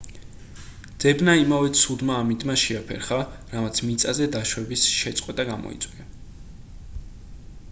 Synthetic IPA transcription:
d̪z̥ɛbnaimavɛt̪sʰud̪maːmint̪ʼmaʃɛapʰɛ̰ɾχaɾamat̪sʰmit̪sʼazɛd̪aʃwɛbisʃɛt̪sʼqʼwɛt̪ʼaɡamɔ̰ḭt̪sʼwia

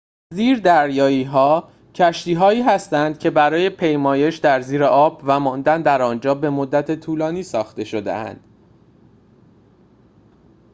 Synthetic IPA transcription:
ziːɾd̪æɾjɒːiːɦɒː | cʰæʃt̪iːɦɒːiːɦæst̪ænd̪̥̚cʰe̞bæɾɒːje̞pʰe̞jmɒːje̞ʃd̪æɾziːɾe̞ʔɒːbvæmɒːnd̪ænd̪æɾɒːnd͡ʒɒːbe̞mo̞d̪ːæt̪ʰet̪ʰuːlɒːniːsɒːxt̪e̞ʃo̞d̪ḛʔæ̰nd̪̥

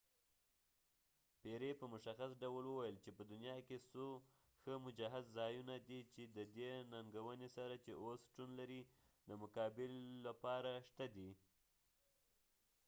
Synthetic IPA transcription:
peɾepəmʊʃaxasɖawəlwəwajəlt͡ʃepəd̪ʊnjɑkeso | xəmʊd͡ʒaɦad̪zɑjunad̪it͡ʃed̪əd̪enaŋɡawənesaɾat͡ʃeʔosʃʈunlaɾi | d̪əmʊkɑbɪlːapɑɾaʃt̪ad̪i

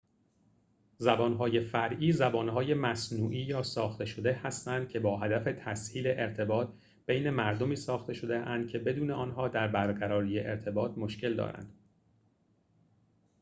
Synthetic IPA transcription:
zæbɒːnɦɒːje̞fæɾʔiːzæbɒːnɦɒːje̞mæsnuːʔiːjɒːsɒːxt̪e̞ʃo̞d̪ehæst̪ænd̪̚cʲʰe̞bɒːɦæd̪æfe̞t̪ʰæshiːle̞ʔeɾt̪ʰe̞bɒːt̪ | b̥e̞jne̞mæɾd̪o̞miːsɒːxt̪e̞ʃo̞d̪e̞ʔænd̪̥̚cʰe̞be̞d̪uːneʔɒːnɦɒːd̪æɾbæɾɢæɾɒːɾijeʔeɾt̪ʰe̞bɒːt̪̚ʰmo̞ʃcʰe̞ld̪ɒ̰ːɾæ̰nd̪̥

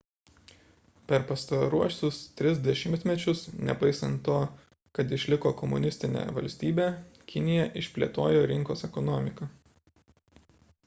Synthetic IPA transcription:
pʲɛɾpɐst̪ɐɾuɔsʲʊst̪ʲɾʲɪz̬d̪ʲɛʃʲɪmʲt̪ʲmʲɛt͡ʃʲʊsnʲɛ̰pɐɪsɐnt̪ːoː | kɐt̪ɪʃʲlʲɪkoːkɔmʊ̰nʲɪsʲt̪ʲɪnʲḛːʋɐ̰lʲsʲt̪ʲiːbʲeːkʲɪnʲɪjɛʔɪʃʲpʲlʲiɛt̪oːjoːɾʲɪŋkoːsɛkɔnɔmʲɪkɐ

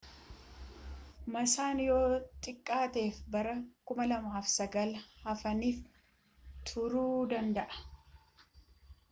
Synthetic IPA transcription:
mɐsaːnjo̞ːt̪ʼɪkʼːaːt̪e̞ːfbɐɾɐkʊmɐlɐmaːfsɐɡɐlhɐfɐniːf | t̪ʰʊɾuːd̪ɐnd̪ɐʔɐ̥

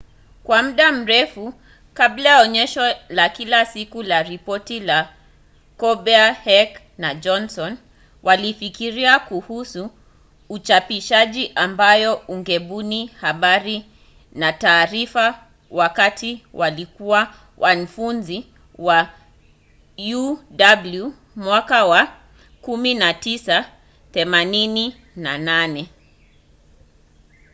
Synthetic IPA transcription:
kwam̩ɗam̩ɾɛfu | kablajaɔɲɛʃɔlakilasikulaɾipɔtila | kɔɓɛahɛk | nad͡ʒɔnsɔn | wʔalifikiɾiakuhusuː | t͡ʃapiʃaʄiʔambajɔuŋɡɛɓunihaɓaɾi | nataːɾifa | wakatiwalikuwa | wʔan̩funzi | wa | judablu | mwakawa | kuminatisa | θɛmanini | nananɛ

